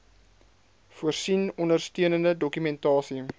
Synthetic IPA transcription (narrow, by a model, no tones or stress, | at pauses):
fuərsinɔndərstyənəndədɔkymɛntɑːsi